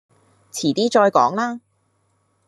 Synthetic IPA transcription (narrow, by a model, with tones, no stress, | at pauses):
t͡sʰiː˨˩t̪iː˥t͡ʃɔː˧jkɔ̰ː˨˥ŋlaː˥